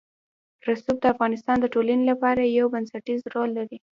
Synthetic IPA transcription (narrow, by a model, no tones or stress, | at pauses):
ɾasub̚d̪əafɣɑnɪst̪ɑnd̪əʈolanilapɑɾajawbansaʈizɾolːaɾi